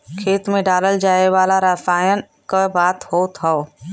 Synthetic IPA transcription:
kʰeːt̪mẽɖaːləld͡ʒaːeʋaːlaɾasaːjən | kəbaːt̪ɦoːt̪ʰəo

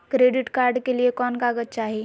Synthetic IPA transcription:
kɾeːɖɪʈkaːɾɖkeliekɔːnkaːɡət̪t͡ʃaːɦie

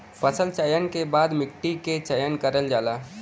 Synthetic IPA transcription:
pəsəlt͡ʃəjənkebaːd̪mɪkʈiket͡ʃəjənkəɾəld͡ʒaːlaː

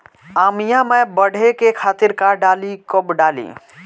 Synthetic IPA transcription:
aːmijãmebəɽ̤ʱekekʰaːt̪iɾkaɖalikobɖaːlḭ

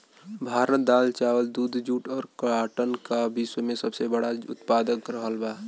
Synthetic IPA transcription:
bʱaːɾət̪̚d̪aːlt͡ʃaːwəld̪uːd̪ʱd͡ʒuːʈɔːɾkəaːʈənkabiswəmẽsəbsebəɽaʊ̰t̪paːd̪əkɾəɦəlbaː

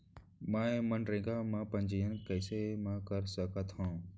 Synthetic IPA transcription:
mãːẽmənɾẽːɡamãːpə̃nd͡ʒijənkəɪsemãːkəɾsəkət̪ɦãː

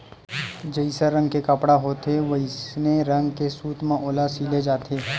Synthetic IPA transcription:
d͡ʒəisəɾə̃ŋɡkekəpɽaɦoːt̪eʋɐɪsneɾə̃ŋɡkesuːt̪mãʔoːlasiːled͡ʒaːt̪ʰeː

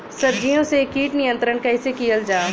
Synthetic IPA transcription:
sɐb̚d͡ʒijõsekiːʈnɪjə̃nt̪ɾənkɐɪsekijəld͡ʒaː

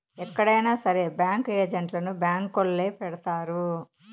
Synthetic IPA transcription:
ɛkːɐɽɐjnaːsɐɾebjaːŋkeːd͡ʒɐɳʈlɐnubjaːŋkːolːeːpɛɽɐt̪aːɾu

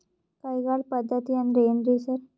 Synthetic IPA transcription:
kajɡaɭpəd̪ʱːat̪iːanɾejənd̪ɾisəɾ

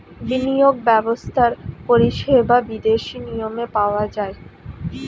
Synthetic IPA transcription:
binijoɡ̚bɛbost̪ʰaɾpoɾiʃebʱabid̪eʃinijomepaoad͡ʑae

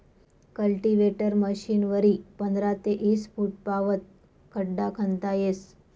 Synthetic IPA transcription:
kəlʈiʋeʈəɾməɕinʋəɾipənd̪ɾat̪eʔisfuʈ̚paʋət̪̚ | kʰəɖːakʰənt̪ajes

